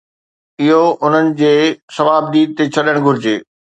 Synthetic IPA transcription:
ɪɦoʔʊn̤ənɪ̆d͡ʑeːsɐʋaːb̚d̪iːd̪̚t̪et͡ɕʰɐɗəɽ̃ɡʱʊɾɪd͡ʑeː

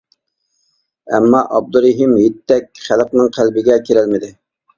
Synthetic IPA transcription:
ɛ̰mːɑʔɑb̚d̪uɾeɦɪmjet̪ʰːɛk̚ʲχæləqnɨŋqʰælbɪɡʲɛkʲʰeɾɛlmɪd̪ɪ

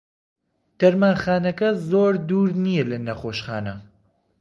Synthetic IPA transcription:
t̪ɐɾmaːxaːnɐkɐzoːɾd̪uːɾnijɛlɐnɐχoːʃxa̰ːnɐ̰

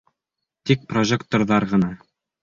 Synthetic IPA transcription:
t̪ik̚proʒʲekt̪orðɑɾʁɤ̆nɑ

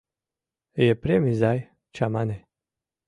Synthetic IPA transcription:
jɛpɾemizaj | t͡ʃamane

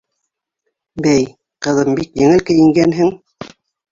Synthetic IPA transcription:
bæj | qɤ̆ðɤmbikjɘ̆ŋɘlkɘ̆jɘ̆ŋɡænɦɘŋ

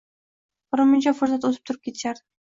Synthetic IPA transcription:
bʊɾəmʊnʲt͡ʃafʊɾzat̪ot̪̬ɨp̚t̪ʰʊɾɯp̚kʲʰet̪ʃaɾ

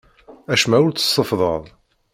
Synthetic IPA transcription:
æʃmæʊɾt͡sːə̥sˤːəfðˤə̰ðˤ

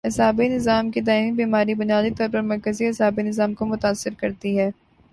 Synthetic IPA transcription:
ɪsɦaːbinɪzaːmked̪aːɪmibiːmaːɾibʊnijaːd̪it̪ɔːɾpɐɾmɐɾkəziɐsɦaːbinɪzaːmkomʊt̪aːsːɪɾkɐɾt̪iɦɛː

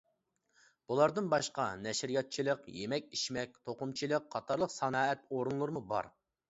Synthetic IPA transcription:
b̥ulˠɑɾd̪ɨnbɑʃqɑnɛʃɾijɑt̪̚t͡ʃʰilˠəqjemɛkʲiʃmɛk̚ʲt̪ʰoqʊmt͡ʃʰilˠəqʰːɑt̪ʰɑɾlˠəqsɑnɑːɛt̪̚oɾunlˠɨɾɨmubɑ̰ɾ

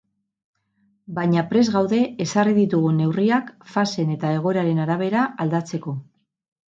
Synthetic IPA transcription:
baɲapɾe̞zɣawðe̞esariðit̪uɣ̞une̞wriakfase̞ne̞t̪ae̞ɣ̞o̞ɾaɾe̞naɾaβ̞e̞ɾaald̪at͡se̞ko̞

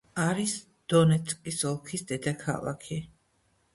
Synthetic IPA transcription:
aɾis | d̪̥ɔnɛt̪sʼkʼisɔlˠkʰisd̪ɛd̪akʰa̰lˠa̰kʰi

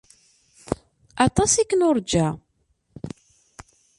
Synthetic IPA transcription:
ɑt̪ˤɑsikːənoɾˤd͡ʒæ

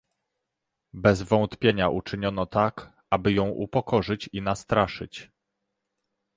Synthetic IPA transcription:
bɛzvɔ̃nt̪pʲjeɲaʔut͡ʂɘɲɔnɔt̪ak | abɘjɔ̃w̃ʔṵpɔkɔʐɘt͡ɕinast̪ɾaʂɘ̰t͡ɕ

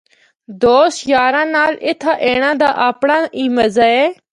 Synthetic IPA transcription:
d̪oːsjaːɾãːnaːlɪt̪ʰːaːʔeːɽ̃ãːd̪aːʔaːpɳãːiːməzaːɛː

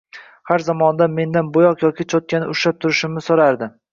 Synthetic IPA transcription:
haɾzamɒnd̪anme̞nd̪anbojɒqjɒkʲɪt͡ʃʰɒt̪̚kʲanɪʊʃap̚t̪ʰʊɾɪʃɪmnɪsoɾaɾd̪ɪ

